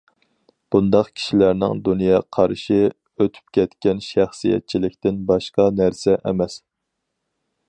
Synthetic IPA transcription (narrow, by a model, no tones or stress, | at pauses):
b̥und̪ɑqkʲʰi̥ʃilæɾnɪ̰ŋd̪unjɑqʰɑɾʃi | øt̪ʰy̥p̚kʲʰɛt̪kʲɛnʃæχsijɛ̰t̪̚t͡ʃʰilɪkʲt̪ɪnbɑʃqɑnæɾsɛʔɛ̰mɛs